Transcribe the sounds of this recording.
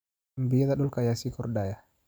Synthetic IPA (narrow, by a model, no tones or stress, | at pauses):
mbiad̪aɗulkajasikɔrdaja